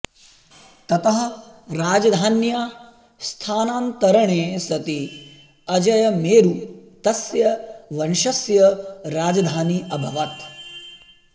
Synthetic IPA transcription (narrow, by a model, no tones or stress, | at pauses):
t̪ɐt̪ɐɦɐ̆ɾaːd͡ʒɐd̪ʱaːnjaː | st̪ʰaːnaːnt̪ɐɾɐɳeːsɐt̪i | ɐd͡ʒɐjɐmeːɾut̪ɐsjɐʋɐnʃɐsjɐɾaːd͡ʒɐd̪ʱaːniɐbʱɐʋɐt̪